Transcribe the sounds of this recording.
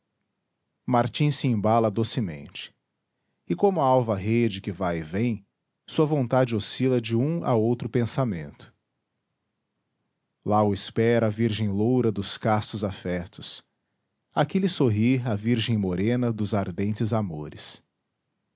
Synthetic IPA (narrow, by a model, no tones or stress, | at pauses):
maɾt͡ʃĩsɪĩbalɐd̪osɪmḛ̃nt͡ʃɪ̥ | ɪkõmʊɐawvɐɦed͡ʒɪkɪvajɪvẽj̃ | suɐvõnt̪ad͡ʒɪosilɐd͡ʒɪũa̰owt̪ɾʊpẽsamḛ̃nt̪ʊ̥ | laʊɪspɛɾɐaviɾʒẽj̃lowɾɐd̪ʊskast̪ʊzafɛt̪ʊs | akɪlɪsoɦiaviɾʒẽj̃moɾẽnɐd̪ʊzaɾd̪ẽnt͡ʃɪzamoɾɪs